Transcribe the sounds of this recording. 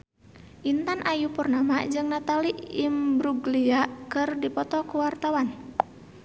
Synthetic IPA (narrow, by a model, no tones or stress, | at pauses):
ʔint̪anʔajupərnamad͡ʒɨŋnat̪aliʔimbɾuɡliaʔkɨrdipɔt̪ɔkuwart̪awan